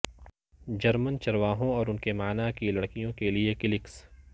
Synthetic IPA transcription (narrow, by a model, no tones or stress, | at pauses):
d͡ʒɐɾmənt͡ʃɐɾʋaːɦõɔːɾʊnkemaːnakilɐɽkijõkeliekɪlɪks